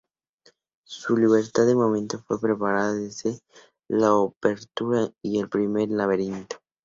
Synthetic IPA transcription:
suliβ̞e̞ɾt̪aðemomẽnt̪ofwe̞pɾe̞paɾaðaðezðe | laope̞ɾt̪uɾaie̞lpɾimeɾlaβ̞eɾint̪o̥

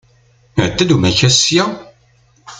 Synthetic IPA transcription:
əʕd̪ːæd̪umæçæsjæ

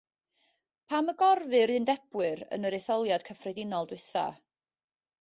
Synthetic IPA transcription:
pʰaməɡɔrvɨɾɨndɛb̥wɨɾə̰nəɾeθɔlˠjad̥kʰəfrɛdɪnɔlˠdwɪθa̰

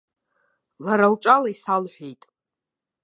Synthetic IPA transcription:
laɾalt͡ʃʼalaisalħʷᶣejtʼ

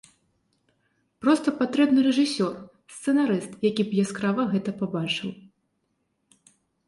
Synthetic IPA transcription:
pɾɔst̪ɐpat̪ɾɛbnɨɾɛʐɨsʲɔr | st̪sɛnaɾɨst̪jakʲipjaskɾavɐɣɛt̪ɐpabat͡ʂɨw

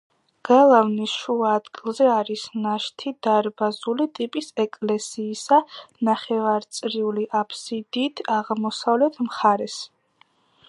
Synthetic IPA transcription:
ɡ̥alˠavnisʃuaːd̪̥ɡilˠzɛaɾisnaʃt̪ʰid̪̥aɾbazulit̪ʼipʼisɛkʼlɛsiːsanaχɛvaɾt̪sʼɾiuliʔapʰsid̪iːt̪ʰaʁmɔsavlɛt̪ʰmχaɾɛs

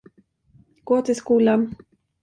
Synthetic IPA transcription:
koːt̪eskuːlam

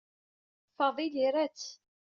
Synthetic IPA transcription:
fɑðˤiliɾæt͡sː

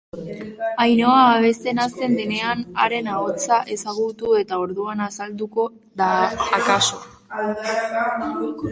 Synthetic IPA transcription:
ajno̞aːβ̞e̞st̪e̞nast̪e̞nd̪e̞ne̞anaɾe̞naot͡saʔe̞saɣut̪ue̞t̪ao̞ɾðuanasald̪uko̞ | d̪aakaso̞

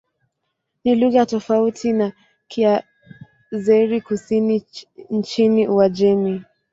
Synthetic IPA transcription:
niluɣatɔfautʰina | kʰia | zɛɾikusinin̩t͡ʃiniuwad͡ʒɛmi

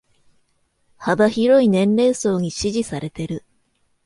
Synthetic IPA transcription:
habaçiɾo̞inẽ̞nɾe̞ːso̞ːɲ̟iɕiʑisaɾe̞t̪e̞ɾɯ̟

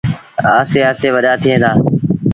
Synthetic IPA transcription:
aːseːaːseːʋəɗaːt̪ʰɪẽːd̪aː

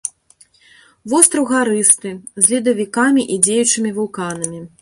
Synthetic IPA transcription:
vɔst̪ɾɐwɣaɾɨst̪ɨzʲlʲid̪ɐvʲikamʲiʔid͡zʲejut͡ʂɨmʲivulˠkanɐmʲi

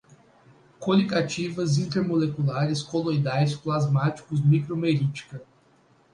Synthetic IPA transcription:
kolikat͡ʃivɐzĩnt̪eɾmolekulaɾɪskolojd̪ajsplazmat͡ʃi̥kʊzmikɾomeɾit͡ʃi̥kɐ

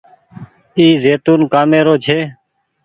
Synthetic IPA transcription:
iːzeːt̪uːnkaːmeːɾoːt͡ʃʰeː

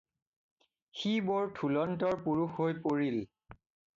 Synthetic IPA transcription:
xibɔɹtʰulɔntɔɹpuɹuxɦojpoɹil

